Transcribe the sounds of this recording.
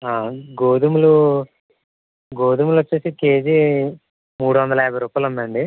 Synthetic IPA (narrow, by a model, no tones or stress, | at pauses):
aːɡoːd̪umulu | ɡoːd̪umulot͡ʃːeːsike̞ːd͡ʒi | muːɽuʋɐnd̪ɐlaːbɐɾuːpaːlund̪ɐɳɖi